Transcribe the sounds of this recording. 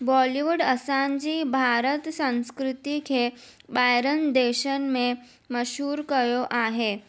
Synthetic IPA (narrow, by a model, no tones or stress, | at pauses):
bɔliʋuɽəsaɲd͡ʑiːbʱaɾət̪sə̃w̃skɾɪt̪ikʰe | bajɾənd̪eɕənme | məɕuːɾkəjoʔaɦe